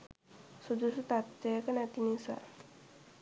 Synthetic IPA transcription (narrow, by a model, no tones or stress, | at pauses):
sud̪usut̪at̪ːekanat̪inisa̰